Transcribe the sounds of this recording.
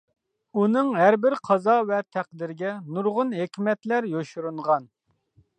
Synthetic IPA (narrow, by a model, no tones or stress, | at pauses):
unɨŋɦæɾbɪɾqʰɑzɑvɛt̪ʰæq̚d̪ɪɾɡʲɛnuɾʁʊnɦekʲmɛt̪læɾjoʃuɾuɴʁɑn